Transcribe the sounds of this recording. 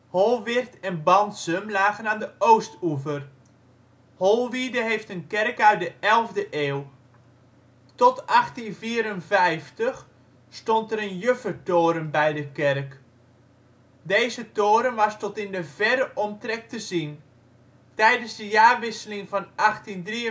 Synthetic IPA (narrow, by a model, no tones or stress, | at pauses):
holˠʋɪrtɛnbɑntsəmlaːɣənaːndəowstuvər | holˠʋidəɦejftənkɛrkœɥt̚dəʔɛlˠvdəʔeːw | tɔtɑχtinviːɾənvɛjftəx | stɔntəɾənjøfərtoːɾəmbɛjdəkɛrk | dejzətoːɾəmʋɑstɔtɪndəvɛɾəʔɔmtrɛk̚təzin | tɛjdənzdəjaːrʋɪsəlɪŋvɑnɑχtindriə